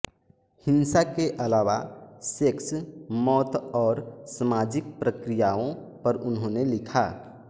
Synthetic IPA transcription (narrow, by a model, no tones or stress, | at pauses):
hɪnsakeʔɐlaːʋa̰seksmɔːt̪ɔːɾsəmaːd͡ʒɪk̚pɾəkɾijaõpəɾʊnɦõnelɪkʰaː